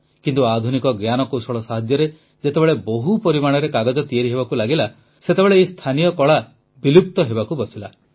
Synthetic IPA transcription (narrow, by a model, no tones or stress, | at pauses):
kint̪uad̪ʱunikɔɡjanɔkowsɔɭɔsaɦad͡ʒjɔɾe | d͡ʒet̪ebeɭeboɦupɔɾimaɽ̃ɔɾekaɡɔd͡ʒɔt̪ieɾiɦeβakulaɡila | set̪ebeɭeist̪ʰanijɔkɔɭa | bilup̚t̪ɔɦebakubɔsila